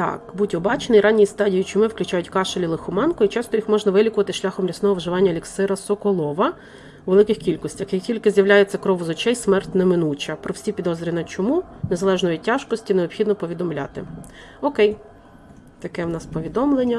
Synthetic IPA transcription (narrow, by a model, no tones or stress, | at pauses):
t̪ɑ̰kbutʲɔbɑt͡ʃenɪjɾʔɑnʲːijist̪ɑdʲijit͡ʃʊmɪwklʲʊt͡ʃɑjʊtʲkɑʃelʲilˠɪxʊmɑnkʊit͡ʃɑst̪ɔjixmɔʒnɐʋɪlʲikʊʋɐt̪ɪʃlʲaxɔmlʲisnɔɦɔʋʒɪʋɑnʲːɐlʲiksɪɾɐsɔkɔlˠɔʋɐ | ʋelˠɪkɪxkʲilʲkɔsʲtʲɐxjɐktʲilʲkɪzʲjɐwlʲajet͡sʲːɐkɾɔʋʊzɔt͡ʃɛjsmɛrt̪ʲnɐmɪnut͡ʃʲɐpɾʔɔwsʲipʲid̪ɔzɾʲiʋʲnɐt͡ʃɔmune̞zɐlˠɛʒnɔjitʲːɑʒkɔsʲtʲineɔbxʲid̪nɔpɔʋʲid̪ɔmlʲa̰t̪ɪ̰ | ɔkɛj | t̪ɐkɛwnɑspɔʋʲid̪ɔmlˠenʲːɐ